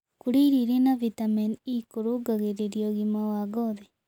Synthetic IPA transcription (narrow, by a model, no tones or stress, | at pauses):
kuɾiɾiɾenavitaminikoɾoɡaɣeɾeɾiɔɣimawaɡɔðɛ